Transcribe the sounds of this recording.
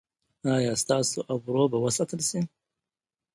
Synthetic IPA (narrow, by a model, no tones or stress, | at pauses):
ɑːjɑːst̪ɑsoʔabɾobawəsat̪əlsi